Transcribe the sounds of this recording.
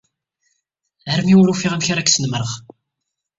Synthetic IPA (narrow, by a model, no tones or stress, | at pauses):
əɾmiuɾufiʁæmçaɾˤækːsənməɾˤəʁ